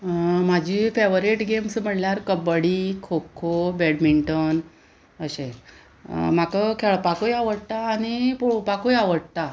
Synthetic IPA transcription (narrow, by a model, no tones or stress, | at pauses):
mad͡ʑʱiːfeʋɾiʈɡemsm̤əɽljaɾkəbəɽikʰokʰobɛɽmiɳʈən | əɕe | m̤akəkʰɛɭpakojaʋəɽt̪aːɽ̃ipuupakojaʋəɽt̪a